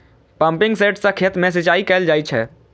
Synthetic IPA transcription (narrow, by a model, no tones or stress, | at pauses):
pə̃mpɪ̃ŋɡseːʈsakʰet̪mẽs̬ɪt͡ʃaːikɛld͡ʒaːit͡ʃʰɛ̰ː